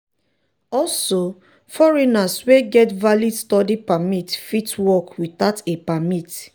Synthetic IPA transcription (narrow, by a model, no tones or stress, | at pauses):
ɔlso | fɔɹinasweɡɛtvalidstɔdipamitfitwɔkwiθatepamit